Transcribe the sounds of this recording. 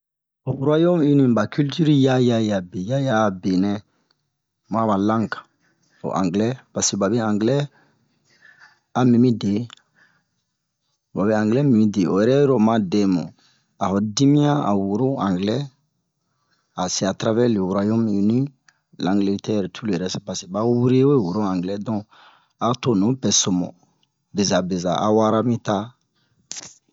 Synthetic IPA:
o˨wu˦ɾa˦jo˦mi˦nĩ˦ba˨ky˦lty˦ɾja˦ja˦ja˨be˨ja˦ja˦˨be˨nɛ̃˦ | mã˦ba˨lã˦ŋkḁ̃˨ | o̰˨ʔã̰˨ŋɡlɛ˦pa˨se˨ba˨bɛ˦ãŋɡlɛ˦ | a˨mĩ˨mi˦de˨ | ba˨bɛ˦ãŋɡlɛ˦mĩ˨mĩ˦de˨o̰˨jɛ˨ɾɛ˦ɾo˨mã˦dɛ̃˦mõ̰˨ | a˨hɔ˨dĩ˦mĩ˦ã˦a̰˨wu˨ɾo˦ã˨ŋɡlɛ˦ | a˨se˨a˨tɾa˦vɛ˦ɾli˨wu˨ɾa˨jõ˦mi˨nĩ˦ | lã˨ŋɡle˦tɛ˦˨ɾtʰu˦lɛ˨ɾɛ˦spa˨se˨ba˦wu˦ɾe˦we˦wu˨ɾo˦ã˨ŋɡlɛ˦dɔ̃˨ | a˨to˦nõ˨˦pɛ˨so˨mɔ̰̃˨ | be˨za˨be˨za˨ʔa̰˨wa˦ɾa˦mĩ˦ta˦

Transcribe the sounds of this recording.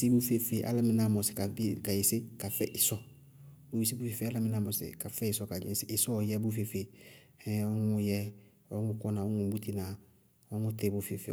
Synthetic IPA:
sɪ˦bu˦fe˦fe˨ʔa̰˦la˦mɪ̃˨˦na˦˨mɔ˨sɪ̥˨ka˨˦ka˨jɪ˨sɪ˦ka˨fɛ̰˦ʔɪ˨sɔ˦ | bʊ˨ji˨si˦bu˦fe˨fe˨˦a˦la˦mɪ˨na˦mɔ˨sɪ̰˨ka˨fɛ˦ɪ˨sɔ˦ka˨d͡ʒɪ̰˨˦sɪ˦ʔɪ˨sɔ˦˨jɛ˦bu˦f̬e˨fe˨ | ɛ˦ɔ˦ŋ˦ʊ˦jɛ˦ | ɔ˦ŋʊ˦kɔ˦nã˨ɔ˦ŋũ˨bu˦ti˦nã˨ | ɔ˦ŋʊ˦tɛ˦˨bʊ˦fe˨fe˨

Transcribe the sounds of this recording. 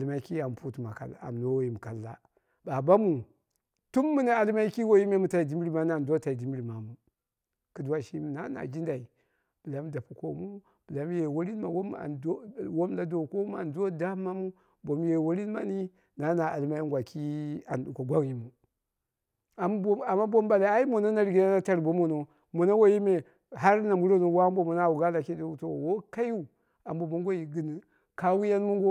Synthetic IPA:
a˨lma˦i˦ki˦a˨m˨pu˦tma˨ka̰˨la̰˨m˨no˦wo˦i˨mu˨ka˨lːa̰˦ | ba˨ba˦mu˨ | tu˦mːu˦na˦a˨lma˦i˦ki˦wo˦ji˦me˦mu˨ta˨i˨di˦m˦ɾi˦ma˦n˦a˨do˦ta˨i˨di˨m˦ɾi˨ma˨mu˨ | ki˨du˦wa˦ʃi˦m˨na˦na̰˨d͡ʒi˦nda˨i˨ | b̥ɨ˨la˨˦m˦da˨pu˨ko˨mu˦ | b̥ə˨la˨˦m˦je˨wo˦ɾi˦n˦ma˨wo˦ma̰˨o˦wo˦m˦la˨do˨ko˦m˦a̰˨ndo˦da˦ma˦mu˦ | bo˨mje˨wo˦ɾi˦n˦ma̰˦ni˦ | na˨˦na˨a̰˨lma˦ji˦ŋɡʷa˨kʰi˦a˨nɗu˨ko˨ɡʷa˦ŋ˨ji˨mu˨ | a˨mba˨mːa˦bo˦mba˨la˨˦a˦i˦mo˨no˦na˨ɾi˨ɡi˦na˦na˦ta˦ɾbo˦mo˨no˨ | mo˨na˦wo˦ji˦me˨ | ha˦ɾna˨mu˦ɾo˦no˨˦wa˦bo˦mu˨na˦˨wu˨ɡa˦la˨ki˦do˦u˨to˦˨wo˦ka˦ju˦˨ | a˨m˦bo˨mo˦ŋɡo˦ji˨ɡi˨n˨ | ka˦wu˦ja˦nmu˦ŋɡo˦

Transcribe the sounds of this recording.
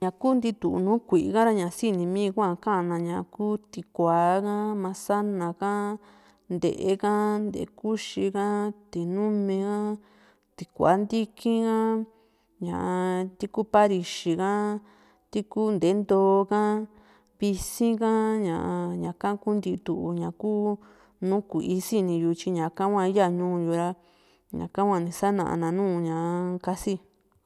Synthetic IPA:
ɲã˨kuː˦nd̪i˧t̪u˨nũː˦kʷi˨ʔka˦ɾa˧ɲã˨˧si˦˧nĩ˧mĩː˦˧kʷã˦˧˨kã˦ʔnã˧ɲã˨˧kuː˦t̪i˧kʷaː˨˦ka˦mã˧sa˦nã˨kã˦ | nd̪ḛ˨ʔe˧ka˦nd̪ḛ˨˦ku˦ʃi˧ka˦t̪i˨nũ˦mẽ˧ka˦ | t̪i˧kʷa̰˨˦nd̪i˦kʰĩ˦kã˦ | ɲã̰˨ʔa˧t̪i˧ku˦pa˦ɾi˧ʃi˧kã˦ | t̪i˦ku˦nd̪e˨˦nd̪oː˧˦kã˦ | βi˧sĩ˦kã˦ɲã̰˨ʔa˧ɲã˨˧kã˦ku˦nd̪i˧t̪u˧˨ʔu˧ɲã˨kuː˦ | nũ˦ku˨ʔi˦si˦nĩ˧ju˧t͡ʃi˧ɲã˨kã˦kʷã˧i˦a˦˧ɲũː˦˧ju˧ɾa˧ | ɲã̰˨kã˦kʷã˧nĩ˧sa˦nã̰˨ʔa̰˧nã˧nũː˦˧ɲã˨˧ka˧si˦

